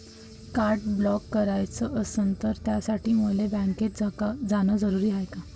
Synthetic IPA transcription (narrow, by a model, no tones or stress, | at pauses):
kaɾʈblɔkːəɾajt͡səʔəsənt̪əɾt̪jasaʈiːmuolebɛ̃ŋket̪d͡zd͡zanəd͡zəɾuɾiːɦajka